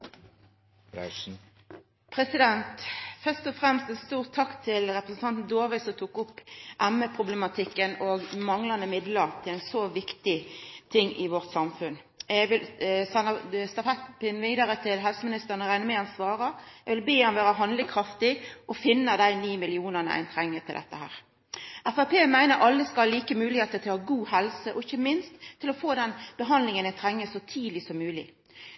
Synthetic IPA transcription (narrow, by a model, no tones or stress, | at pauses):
pʰɾɛsɪd̪ɛnt̪fœst̪ɔfʁɛmst̪ɛnst̪uːʁt̪ʰːɑkt̪ʰɪlʁɛpɾʁəsn̩t̪ɑnt̪n̩d̪oːʁʋɪsɔt̪ʰuːkʊpːʔæməpʰʁʊblɛmɑt̪ʰɪkːənɔɡmɑŋlɑnd̪əmɪd̪ləʁt̪ʰɪlæɪnsoːʋɪkt̪ɪt̪ʰɪŋːɪʋɔʁt̪sɑmfʉn | ɛɡʋɪlsɛnːəst̪ɑfɛt̪pɪnʋiːd̪əɾət̪ʰɪlɦɛlsəmɪnɪst̪əʁnəɾæɪnəmeːɑnsʋɑːʁəɛɡʋɪlbeːɔmʋæːɾəɦɑnd̪lɪŋkʰɾɑft̪ɪʔɔfɪnːəd̪æɪniːmɪlɪuːnəʁnə̰ʔæ̰ɪnt̪ʰɾɛŋːət̪ɪld̪ɛ̰t̪ːəhæ̰ːʁ | ʔæfæpʰeːmæɪnəɾɑlːəskɑlliːkəmʉːlɪheːt̪ət̪ʰɪlhɑːɡuːhɛlsəʔɔɪçəmɪnst̪ʰːɪlɔfoːd̪ɛnb̥əɦɑnd̪lɪŋənæɪt̪ʰɾɛŋːəsɔt̪ʰiːd̪lɪsɔmːʉːlɪ̰